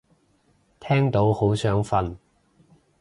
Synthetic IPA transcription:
t̪ʰɛː˥ŋt̪o˨˥who˨˥wsœː˨˥ŋfɐ˧n

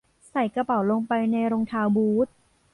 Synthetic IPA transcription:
sa˨˩˦jkɾa˧pa˨˩˦wlo˧ŋpa˧jna˧jɾo˧ŋt̪ʰaː˧wbuː˦˥t̪̚

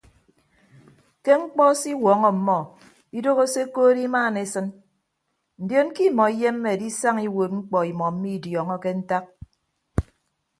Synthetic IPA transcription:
ke˦ŋ͡m̩˦k͡pɔ˦si˦wɔ˨˦ŋɔ˨m̩˨mɔ˦ | i˦do˦ɣo˦se˦koː˦ɾi˦maː˦˨ne˨˦sɨ˦n | n̩˨djo˦n˦ki˦˨mɔ˨i˦je˦m̩ː˦e˨di˦sa˦ŋi˦wo˨t̚ŋ͡m̩˦k͡pɔ˨i˨mɔ˨m̩˦mi˦˨djɔ˨ŋɔ˦ke˦n̩˦ta˦k̚

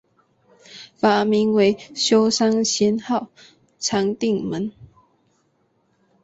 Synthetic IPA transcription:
fa˨˩mi˧˥ŋwe˧˥ɪɕjo˥ʊʂɑ˥ŋɕjɛ˥nxɑ˥˨ʊ | t͡sʰɑ˧˥ŋt̪i˥˩ŋmə˨˦n

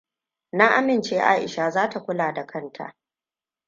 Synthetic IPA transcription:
na˦ʔa˦mɪ˨nt͡ʃeː˦ʔa̰ː˦ʔɪ̰˨ʃa˨zaː˦ta˨kʷʊ˦laː˨da˨kʰɐ˦ntʰa̰˨ʔ

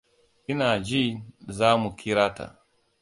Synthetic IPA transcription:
ʔɪ˦naː˨d͡ʒi˦zaː˦mu˨kʰʲi˦ɾaː˦ta̰˨

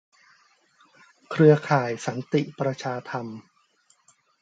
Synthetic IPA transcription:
kʰɾɯ˧ɐkʰaː˨˩jsa˩˦nt̪i˨˩ʔpɾa˧t͡ɕʰaː˧t̪ʰa˧m

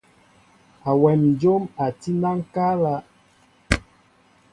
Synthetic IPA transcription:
a˨wɛ˨md͡ʒo˦ma˨ti˦na˦ŋ˦ka˦la˦

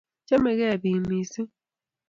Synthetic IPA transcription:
t͡ʃɛ˦me˨ɣɛ˦˨bi˨mi˨si˦

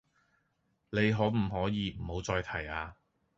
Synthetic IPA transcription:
le˨˧jɦɔː˨˥wm̩˨˩ɦɔː˨˥jiː˨˧m̩˨˩ho˨˧˥wt͡sɔː˧jt̪ʰɐ˨˩jaː˧

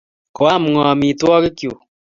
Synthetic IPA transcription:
ko˨a˦m˨ŋɔ˨mi˨twɔ˦ke˦kjo˨

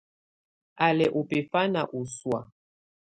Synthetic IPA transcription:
a˨lɛ˨ʔo˨pɛ˨fa˦na˨ʔu˨swa̰˨

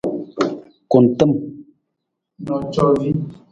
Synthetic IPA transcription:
ko˨n˨tə˦m | nɔ˨t͡ʃɔ˦vi˦

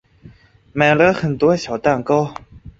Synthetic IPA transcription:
ma˨˩lə˧˦xə˨˩nt̪wɔ˥ɕjɑ˨˩ʊt̪a˥˩ŋko˥˦

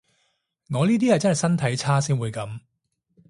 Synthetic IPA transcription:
ŋɔː˨˧liː˥t̪iː˥jɐ˨jt͡sɐ˥nɦɐ˨jsɐ˥nt̪ʰɐ˨˥jt͡sʰaː˥siː˥nwuː˨˧jkɐ˨˥m

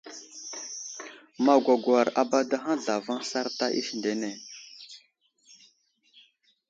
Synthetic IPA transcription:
ma˨ɡʷa˨ɡʷa˨ɾa˨ba˦da˦ɦa˦ɮa˨va˦ŋɬa˦ɾta˦ʔḭ˦ʃnde˨ne˨

